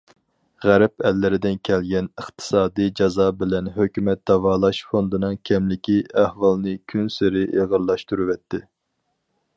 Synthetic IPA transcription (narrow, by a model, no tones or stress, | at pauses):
ʁæɾpɛlːɪɾɪd̪ɪnkʲʰɛlɡʲɛnəχt̪ʰɨ̥sɑːd̪ijd͡ʒɑzɑbɪlɛnɦøkʲymɛt̪̚d̪ɑvɑːlˠɑʃfond̪ɨnɨŋkʲʰɛmlɪkʲiæhwɑlˠnɨkʲʰynsɪɾɪʔeʁəɾlːˠɑʃt̪uɾɨwɛt̪ʰːɪ